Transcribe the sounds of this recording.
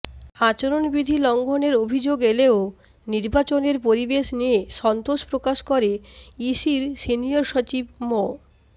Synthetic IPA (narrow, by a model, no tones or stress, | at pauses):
at͡ɕoɾonbid̪ʱilɔŋɡʱoneɾobʱid͡ʑoɡeleo | niɾbat͡ɕoneɾpoɾibeʃnieʃɔnt̪oʃpɾokaʃkoɾeiʃiɾsinioɾʃot͡ɕibmo